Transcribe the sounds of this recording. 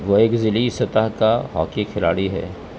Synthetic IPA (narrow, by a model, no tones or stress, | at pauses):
ʋoeːkzɪlisɐt̪aɦkaɦa̰ːkikʰɪla̰ːɽiɦɛ̰ː